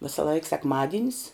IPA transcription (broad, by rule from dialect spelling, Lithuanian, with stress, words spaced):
ʋʲɪsɐˈlˠɐɪk sʲɛkˈmɑːdʲɪnʲɪs